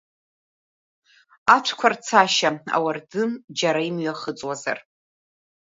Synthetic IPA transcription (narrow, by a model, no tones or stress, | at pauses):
aʈ͡ʂʷʰkʷʰart͡sʰaʃaa̰wardɨmd͡ʒaɾaimɥaχət͡sʼwaza̰r